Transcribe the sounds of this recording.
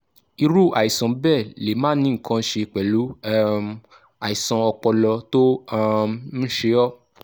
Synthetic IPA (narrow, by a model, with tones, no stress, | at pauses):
i˧ɾu˦˨a˨i˨sã˨˦bɛ˦˨le˨˦mãː˦nĩ˦ŋ̩˨kʰã˧˦ʃe˧k͡pɛ˨lu˨˦˧ | a˨i˨sã˧ɔ˧k͡pɔ˧lɔ˧to˦a˧˦ʃe˧˦ɔ˦